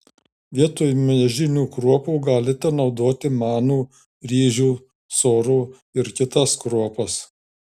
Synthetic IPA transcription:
ʋʲiɛt̪oːjmʲɐɛʒʲɪnʲuːkɾuɔpuːɡɑːlʲɪt̪ʲɛnɒʊd̪oːt̪ʲɪmɑːnuː | ɾʲiːʒʲuː | soːɾuː | ɪɾkʲɪt̪ɐskɾuɔpɐs

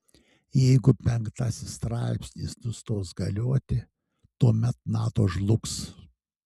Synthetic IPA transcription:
jɛɪɡʊpʲɛŋkt̪ɐsʲɪst̪ɾɑˑɪpʲsʲnʲḭːsnʊst̪oːsɡɐlʲoːt̪ʲɪ | t̪uɔmʲɛt̪̚nɑːt̪oːʒlˠʊks

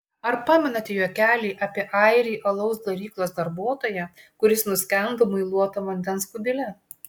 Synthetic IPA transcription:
ɐɾpɑːmʲɛnɐt̪ʲɛjuːkʲæːlʲiːʔɐpʲiɛʔɑˑɪɾʲiːʔɐlˠɐʊsd̪ɐɾʲiːklˠoːsd̪ɐɾbuɔt̪oːjɛ | kʊɾʲɪsnʊsʲkʲɛnd̪omʊɪlˠuɔt̪ɐʋɐnʲd̪ʲɛnskʊbʲɪlʲɛ

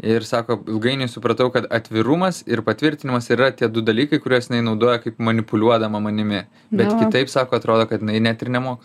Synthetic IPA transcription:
ɪrsɑːkoːɪlˠɡɐɪnʲɛɪsʊpɾɐt̪ɐʊkɐt̪ɐt̪ʲʋʲɪɾʊmɐsɪrpɐt̪ʲʋʲɪɾʲt̪ʲɪnʲɪmɐsɪɾrɐt̪ʲiɛd̪ʊd̪ɐlʲiːkɐɪkʊɾʲuɔsjɪnɐɪnɐʊd̪oːjɛkɐɪpmɐnʲɪpʊlʲuɔd̪ɐmɐmɐnʲɪmʲɪ | bʲɛt̪kʲɪt̪ɐɪpsɑːkoːɐt̪ɾoːd̪oːkɐt̪jɪnɐɪnʲæt̪ɪrnʲɛmoːkɐ

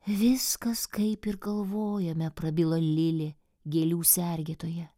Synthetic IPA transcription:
ʋʲɪskɐskɐɪpɪɾɡɐlˠʋoːjɛmʲɛpɾɐbʲɪlˠɐlʲɪlʲe | ɡʲeːlʲuːsʲɛɾʲɡʲeːt̪oːjɛ

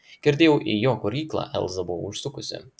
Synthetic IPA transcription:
ɡ̥ʲɛɾʲd̪ʲeːjɛʊʔijoːkʊɾʲiːklˠɑ̰ːʔɛ̰lˠzɐbʊʋɐ̰ʊʃsʊkʊsʲɪ̰

